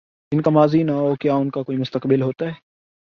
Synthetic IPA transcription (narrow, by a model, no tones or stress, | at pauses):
d͡ʒɪnkamaːzinaɦokjaːʊnkakoːimʊst̪əkbɪlɦoːt̪aɦɛː